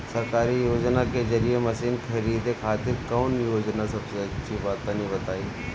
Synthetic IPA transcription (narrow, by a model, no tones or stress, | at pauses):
sɐɾkaːɾijoːd͡ʒnakezɐɾijemɐsiːnkʰɐɾiːd̪ekʰaːt̪ɪɾkɔːnjoːd͡ʒnasɐbseɐtːʃʰibaːt̪anĩbɐt̪aːiː